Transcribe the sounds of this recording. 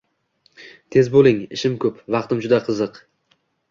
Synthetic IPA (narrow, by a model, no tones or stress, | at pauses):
t̪ʰe̞zbolˠɪŋɪʃɪmkʰʲɵpvɑqt̪ɪmd͡ʒʊd̪aqʰɨzɨq